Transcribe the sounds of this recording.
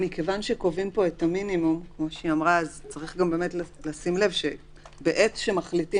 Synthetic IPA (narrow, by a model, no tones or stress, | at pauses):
mike̞vanʃe̞ko̞vimpo̞etaminimumkmo̞ʃiamʁaːzt͡saʁiχɡambe̞me̞tlalasimle̞vʃe | beʔetʃemaχliti